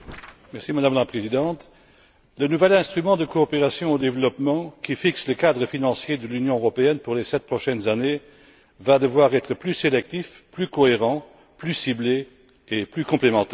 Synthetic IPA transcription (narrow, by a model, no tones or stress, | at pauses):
mɛʁsimad̪amlapχezid̪ɑ̃t̪ | lənuvɛlɛ̃st̪χymɑ̃d̪əkoːpeʁasjɔ̃od̪evlɔpmɑ̃kʲifiksləkad̪ʁəfinɑ̃sjed̪əlynjɔ̃øʁɔpeɛnpuʁlesɛt̪̚pχɔʃɛnzane | vad̪əvwaʁɛt̪χəplyselɛk̚t̪ifplykoeʁɑ̃ | plysible | eplykɔ̃plemɑ̃t̪ɛː